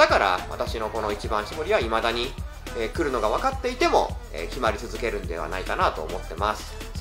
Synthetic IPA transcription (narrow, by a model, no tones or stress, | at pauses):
akaɾa̰βa̰t̪aɕino̞ko̞no̞it͡ɕibãɰ̃ɕiboɾʲiβaimad̪aɲ̟i | eːkɯ̟ɾɯ̟no̞ɡaβ̞akat̪ːe̞it̪e̞mo̞̰ḛkʲimaɾʲit͡sɨzɨke̞ɾɯ̟̃nd̪e̞βa̰naikanat̪o̞̰ːmo̞t̪ːe̞masɨ̥